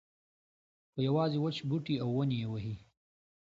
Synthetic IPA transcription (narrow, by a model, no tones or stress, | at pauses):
xəjawɑːziwət͡ʃbuʈiawːənijewəɦi